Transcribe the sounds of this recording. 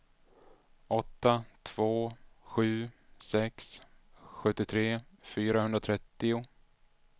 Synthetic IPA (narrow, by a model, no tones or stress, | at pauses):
ɔt̪ːat̪ʰv̥oːɧʉ̟ːsɛks | ɧɵt̪ːɪt̪ʰɾeːfyːɾahɵnɾat̪ʰɾɛt̪ːɪʊ